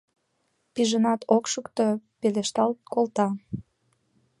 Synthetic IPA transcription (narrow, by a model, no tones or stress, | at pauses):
piʒənɑt̪ʰokʃəkt̪opeleʃt̪ɑlt̪kolt̪ɑ